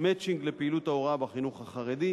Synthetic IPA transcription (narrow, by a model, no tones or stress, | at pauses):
met͡ʃiŋɡlepeilut̪aoʁabaχinuχhaχaʁed̪i